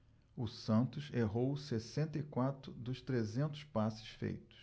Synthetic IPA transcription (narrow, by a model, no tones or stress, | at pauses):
ʊsɐ̃nt̪ʊseɦowsesẽnt̪ɐikwat̪ɾʊd̪ʊst̪ɾezẽnt̪ʊ̥spasɪ̥sfḛjt̪ʊ̥s